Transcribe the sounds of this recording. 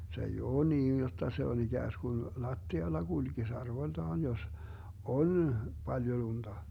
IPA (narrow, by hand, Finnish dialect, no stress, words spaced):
se ei oː niːn jotːɑ se on iɡ̊æːsɡ̊un lɑtːiɑlːɑ ɡ̊ulɡ̊is ɑrʋoĭltɑːn jos on b̥ɑljo lund̥ɑ